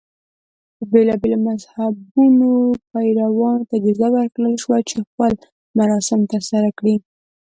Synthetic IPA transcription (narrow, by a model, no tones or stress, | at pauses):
d̪əbelɑbelomazhabunopajɾawɑnot̪aɡizawəɾkɽəlʃwat͡ʃexpəl | maɾɑsɪmt̪əɾsaɾakɽi